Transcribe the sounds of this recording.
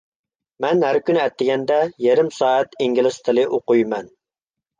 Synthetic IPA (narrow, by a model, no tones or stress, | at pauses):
mɛnhæɾkʲynɪɛt̪ːɪɡʲɛnd̪ɛjeɾɪmsɑːæt̪iŋɡʲilˠɪst̪ʰɨlˠɨʔoqujmɛn